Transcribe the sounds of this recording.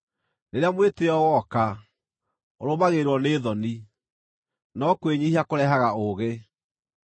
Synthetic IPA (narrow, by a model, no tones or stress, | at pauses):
neɾeamweteɔɣɔka | oɾomaɣeɾwɔneːðɔni | nɔkweɲiɦakoɾɛɦaɣaoɣe